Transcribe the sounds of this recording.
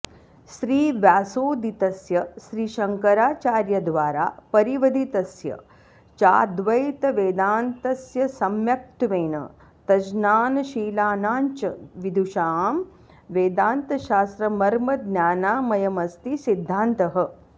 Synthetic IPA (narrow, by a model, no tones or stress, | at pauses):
ʃɾiːʋjaːsoːd̪it̪ɐsjɐʃɾiːʃɐŋkɐɾaːt͡ʃaːɾjɐd̪ʋaːɾa̰ːpɐɾiʋɐd̪ʱit̪ɐsjɐ̰ | t͡ʃaːd̪ʋɐjt̪ɐʋeːd̪aːnt̪ɐsjɐsɐmjɐk̚t̪ʋeːnɐ̰ | t̪ɐd͡ʒnaːnʃiːlaːnaːɲt͡ʃɐʋid̪ʱuʃaːm | ʋeːd̪aːnt̪ɐʃaːst̪ɾɐmɐɾmɐd̪nʲjaːnaːmɐjɐmɐst̪isid̪ʱːaːnt̪ɐɦɐ̆